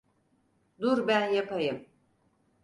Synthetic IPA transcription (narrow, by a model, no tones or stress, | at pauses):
d̪uɾbænjapʰajɯm